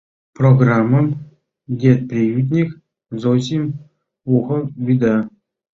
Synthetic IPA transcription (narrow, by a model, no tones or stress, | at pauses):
proɡramːəm | dʲet̪̚prʲijut̪̬ʲnʲik | zosʲim | uχɤ̆bʲid̪ɑ